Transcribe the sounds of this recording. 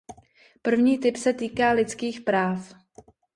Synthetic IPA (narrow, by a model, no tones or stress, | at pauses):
pr̩vɲiːt̪ɪpsɛt̪iːkaːlɪt͡skiːxpɾaːf